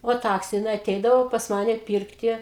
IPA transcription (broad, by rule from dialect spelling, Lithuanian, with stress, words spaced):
oː ˈtɐks jɪˈnɐɪ ɐˈtʲɛɪdɐʋoː pɐs ˈmɑːnʲɛ ˈpʲiːrktʲɪ